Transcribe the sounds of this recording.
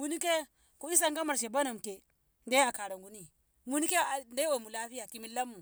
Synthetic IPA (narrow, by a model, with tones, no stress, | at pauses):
mu˨ni˦ke˦ | ku˨i˦s̬a˦ŋɡa˦ma˨ɾʃe˨ba˦na˨m˨ke˨ | nde˦a˨ka˨ɾa˨ŋɡu˨˦ni˦ | mu˦ni˦ke˦a˨nda˦jwo˨mu˨la˦fi˦ja˨ki˦mi˦la˦mːu˨